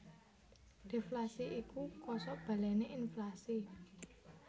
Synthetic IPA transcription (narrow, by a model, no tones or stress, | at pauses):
d̪̥e̤flasiʔikukɔsɔʔb̥a̤lɛneʔinflasi